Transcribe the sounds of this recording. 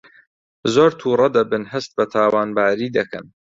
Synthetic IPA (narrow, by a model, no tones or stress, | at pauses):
zoːɾt̪ʰuːrˤɐd̪ɐbɨnɦɐst̪̚bɐt̪ʰaːwaːnbaːɾiːd̪ɐkɐ̰n